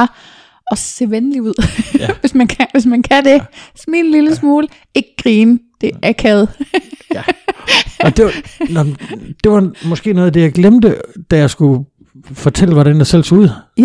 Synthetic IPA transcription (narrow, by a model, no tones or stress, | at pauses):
ɒ̽se̝ʋenliuð̰ˠʋe̝smænkʰʋe̝s̬mænkʰæd̥esminliləsmoːl | e̝ɡ̥ɡ̥ʁiːnd̥e̝ʔæɐkʰɛð̞ˠ | ɒd̥e | d̥e̝ʋɑ̈mɒ̽sɡ̥e̝̰ːnɔ̽ːð̩ˠd̥e̝jɑ̈ɪɡ̥lemd̥əd̥æjɑ̈ɪsɡ̥u | fɒ̽t͡sʰel̰əʋɒɾ̥ænæsel̰suð̰ˠ